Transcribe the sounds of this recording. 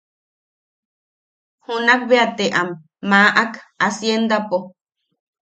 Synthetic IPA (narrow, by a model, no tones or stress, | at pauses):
hunak̚βeat̪eʔamː | ãʔakasjend̪apo